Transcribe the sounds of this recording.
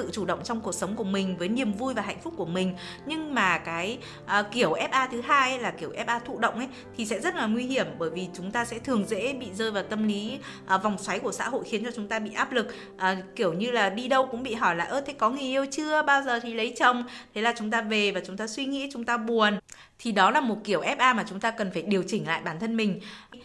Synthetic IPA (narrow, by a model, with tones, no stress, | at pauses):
ɨ̰˧˨t͡ɕu˧˩ɗə̰˧˨ŋ͡mt͡ɕɔ˧wŋ͡mku˨˩ək̚sə˨˦ŋ͡mku˧˩əmï˨˩ŋ̟vəː˨˦jni˨˩əmvu˧jvaː˨˩ɦa̰˧˨jŋ̟fʊ˦˥k͡p̚kːu˧˩əmï˨˩ŋ̟ | ɲɨ˧ŋmaː˨˩kaː˨˦j | ʔki˧˩əwʔɛ˦˥p̚ʔaː˧t̪ʰɨ˨˦ɦaː˧jlaː˨˩ki˧˩əwʔɛ˦˥p̚ʔaː˧t̪ʰṵ˧˨ɗə̰˧˨wŋ͡mʔə˨˦jt̪ʰi˨˩sɛ̰˧˥zə˦˥t̚laː˨˩ŋwi˧hi˧˩əmɓəː˧˩jvi˨˩t͡ɕʊ˨˦ŋ͡mt̪aː˧sɛ̰˧˥t̪ʰɨ˨˩əŋzḛ˧˥ɓḭ˧˨zəː˧jvaː˨˩wt̪ə˧mli˨˦ | ʔva˨˩wŋ͡mswa˨˦jku˧˩əsa̰ː˧˥ɦo̰˧˨jxi˨˦ənt͡ɕɔ˧t͡ɕʊ˨˦ŋ͡mt̪aː˧ɓḭ˧˨ʔaː˦˥p̚lɨ˨˩k̚ | ʔəː˨˩ki˧˩əwɲɨ˧laː˨˩ɗi˧ɗə˧wkʊ̰˧˥ŋ͡mɓḭ˧˨ɦɔ˧˩jla̰ː˨˩ʔəː˧˦t̪ʰe˨˦jkɔ˨˦ŋi˨˩əʔi˧wt͡ɕɨ˧əɓaː˧wzəː˨˩t̪ʰi˨˩lə˨˦jt͡ɕə˧wŋ͡mt̪ʰe˨˦laː˨˩t͡ɕʊ˨˦ŋ͡mt̪aː˧ve˨˩vaː˨˩t͡ɕʊ˨˦ŋ͡mt̪aː˧swi˧ŋḭ˧˥t͡ɕʊ˨˦ŋ͡mt̪aː˧ɓu˨˩ən | t̪ʰi˨˩ɗɔ˨˦laː˨˩mo˨˩t̚ki˧˩əwʔɛ˦˥p̚ʔaː˧maː˨˩t͡ɕʊ˨˦ŋ͡mt̪aː˧kə˨˩nfaː˧˩jɗi˨˩əwt͡ɕï˧˩ŋ̟la̰ː˧˨jɓaː˧˩nt̪ʰə˧nmï˨˩ŋ̟